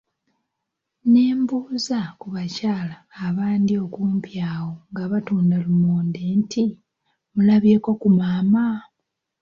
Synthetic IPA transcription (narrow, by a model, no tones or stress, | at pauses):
neːmbuːzakuβacaːlaːβaːndio̞kuːmpjaːwo̞ŋɡaβatuːndalumoːndentʰi | mulaβje̞kokumaːma